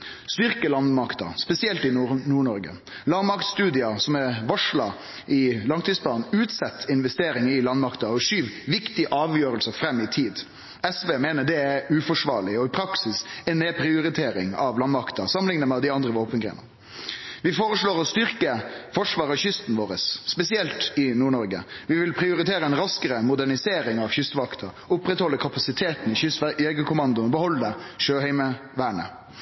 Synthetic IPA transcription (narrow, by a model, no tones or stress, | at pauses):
st̪ʏɾkəlɑnmɑkt̪ə̰spɛsɪɛlt̪ɪnnuːɳɔɾɡə̰ | lɑɾmɑkt̪st̪ʉːd̪ɪɑsɔmɛʋɑʂɭɑ | ʔɪlɑŋt̪ʰiːsbɑːnʉːt̪sɛt̪ʰːɪnʋɛst̪eːɾɪŋɪlɑnmɑkt̪əɔʂyːʋʋɪkt̪ɪʔɑːʋjøːɾəlsəfɾɛmːɪt̪ʰiːd̪ | ɛsʋeːmeːnəd̪ɛæɾʉːfɔʂʋɑːɾɭɪɔɪpʰɾɑksɪsɛneːpʰɾɪʊɾɪt̪ʰeːɾɪ̰ŋɑʋlɑnmɑkt̪əɾsɑmənlɪŋnəmɛd̪ɪɑnd̪ɾəʋoːpənɡɾḛːnə̰ɾ | ʋɪfoːɾəsloːɾɔst̪ʏɾkəfɔʂʋɑːɾəɕʏst̪n̩ʋoːɾəsːpɛsɪɛlt̪ɪnuːɳɔɾɡə̰ʋɪʋɪlpʰɾɪʊɾɪt̪ʰeːɾəɛnɾɑskəɾəmʊd̪æɳɪseːɾɪŋɑʋçʏst̪ʋɑkt̪ʰəɾ | ʊpɾɛt̪hɔlːəkʰɑpɑsɪt̪ʰeːt̪n̩ɪʏst̪ɛɡəkʰʊmɑnd̪ʊnɔbəhɔlːəʂøːɦæɪməʋæːɳə̰